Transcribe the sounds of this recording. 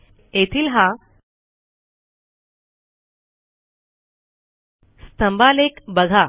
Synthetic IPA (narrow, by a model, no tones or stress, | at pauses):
et̪ʰiːlɦã | st̪əmbalekbəɡʱa